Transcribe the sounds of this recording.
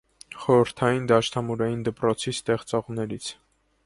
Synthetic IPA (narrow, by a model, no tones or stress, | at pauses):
χɔɾəɾt̪ʰɑjind̪ɑʃt̪ʰɑmuɾɑjind̪əpɾɔt͡sʰist̪ɛχt͡sɔʁnɛɾit͡sʰ